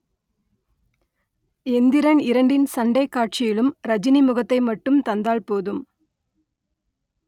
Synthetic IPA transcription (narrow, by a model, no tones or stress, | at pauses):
ɛnd̪ɪɾɐɳɪɾɐɳɖɪnsɐɳɖɐɪkːaːʈ̚t͡ʃɪjɪlɯmɾɐd͡ʒɪnimʊɣɐt̪ːɐɪmɐʈːɯmt̪ɐnd̪aːɭpoːðɯm